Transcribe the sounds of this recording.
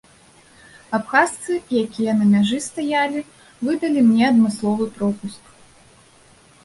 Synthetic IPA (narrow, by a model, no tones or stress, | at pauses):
apxast̪sɨjakʲijɐnɐmʲaʐɨst̪ajalʲi | vɨd̪ɐlʲimnʲɛɐd̪mɨslˠɔvɨpɾɔpusk